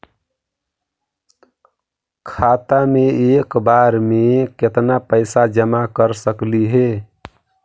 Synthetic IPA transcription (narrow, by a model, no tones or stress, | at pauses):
kʰat̪ameekbaɾmeeket̪napəɪsad͡ʒəmakəɾsəkliɦe